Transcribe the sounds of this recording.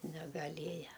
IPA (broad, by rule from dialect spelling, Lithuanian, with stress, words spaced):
nʲɛɡɐˈlʲeːjɛ